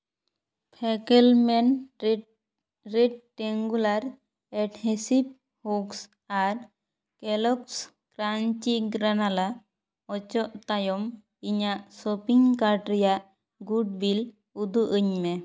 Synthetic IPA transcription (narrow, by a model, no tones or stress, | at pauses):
pʰɛkɛlmɛn | ɾɛɖ̚ʈɛŋɡulaɾ | ɛʈhɛsip̚ | huks | aɾ | kɛlɔks | kɾaɲt͡ʃiɡɾanala | ɔt͡ʃɔʔt̪ajɔm | iɲaʔsɔpiŋkaɾɖɾɛjaʔ | ɡuɖ̚bil | ud̪uʔəɲmɛ